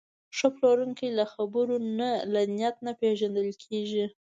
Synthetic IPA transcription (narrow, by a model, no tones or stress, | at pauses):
ʂəploɾuŋkijlaxabəɾonalanijat̪̚napeʒand̪əlkʰeʒi